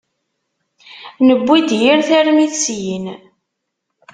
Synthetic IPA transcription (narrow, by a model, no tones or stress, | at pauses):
nəbʷːid̪jiɾθæɾmiθsjin